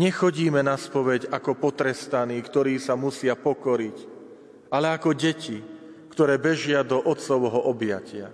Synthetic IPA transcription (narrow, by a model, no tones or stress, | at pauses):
ɲɛxɔɟiːmɛnaspɔʋɛɟakɔpɔt̪ɾɛst̪aniːkt̪ɔɾiːsamusɪapɔkɔɾic | alɛakɔɟɛci | kt̪ɔɾɛːbɛʒɪad̪ɔʔɔt̪t͡sɔʊɦɔʔɔbjacɪa